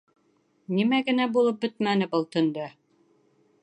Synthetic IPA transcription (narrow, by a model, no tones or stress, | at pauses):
nimæɡɘ̆næbulˠɤp̚bɘt̪̚mænɘbɤlˠt̪ɵ̆nd̪ɵ